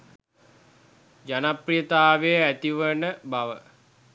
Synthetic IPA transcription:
d͡ʒanaprijət̪aːʋejəæt̪iʋənəbaʋə

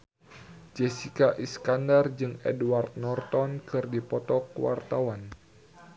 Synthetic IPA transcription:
d͡ʒɛsikaʔiskandard͡ʒɨŋɛ̰duwart̪̚nɔrt̪ɔnkɨrdipɔt̪ɔkəwa̰rt̪awan

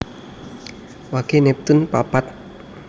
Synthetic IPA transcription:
waɡ̥enɛp̚t̪unpapat̪̚

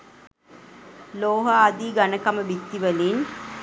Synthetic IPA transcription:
loːɦaːd̪iɡanəkaməbit̪ːiʋəlin

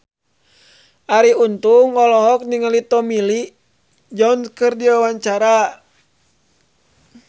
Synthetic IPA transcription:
ʔaɾiunt̪uŋɔlɔɦɔk̚niŋalit̪ɔmili | d͡ʒɔnskɨrdiwawaɲt͡ʃaɾa

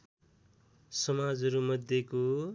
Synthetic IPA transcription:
sʌmad͡zɦʌɾumʌd̪ʱjeko

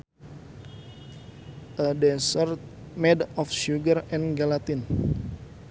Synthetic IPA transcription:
ʔədɛsərt̪̚ | mɛdɔfʃuɡərɛnɡalat̪in

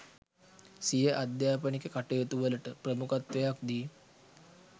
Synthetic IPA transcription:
sijəʔad̪jaːpənikəkaʈejet̪uʋələʈəpɾəmukat̪ʋejak̚d̪iː

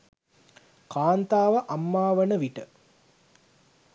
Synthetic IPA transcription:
kaːnt̪aːʋəʔamːaːʋənəʋiʈə

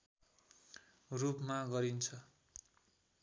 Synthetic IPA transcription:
rupmaɡʌɾint͡sʰʌ

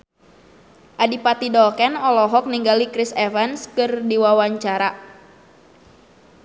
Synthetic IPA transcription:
ʔadipat̪idɔkɛnɔlɔɦɔk̚niŋɡalikɾisɛvɛnskɨrdiwawaɲt͡ʃaɾa

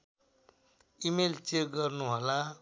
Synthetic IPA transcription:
imelt͡ʃekɡʌɾnuɦola

